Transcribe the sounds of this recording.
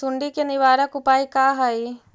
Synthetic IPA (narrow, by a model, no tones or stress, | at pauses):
sʊɳɖikenɪʋaːɾəkʊpaːikaɦai